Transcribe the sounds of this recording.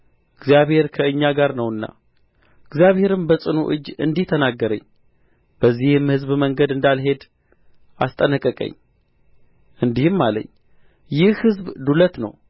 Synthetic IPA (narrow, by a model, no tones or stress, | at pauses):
ɨɡzjaβhe̞ɾkʰəɨɲːaɡaɾnəwɨnːa̰ | ɨɡzjaβhe̞ɾɨmbəsʼɨnṵʔɨd͡ʒːɨ̰nd̪iht̪ʰənaɡːəɾə̰ɲː | b̥əzːihɨmhɨzbməŋɡəd̪ɨnd̪alɦe̞d̪ | ast̪ʼənəkʼːəkʼə̰ɲː | ɨnd̪ihɨmːalə̰ɲː | jɪhhɨzbd̪ulət̪nə̰w